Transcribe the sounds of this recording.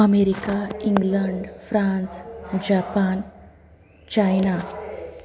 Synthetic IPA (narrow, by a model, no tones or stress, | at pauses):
əmeɾikaiŋɡləɳɖfɾãnsd͡ʑapan | t͡ɕajna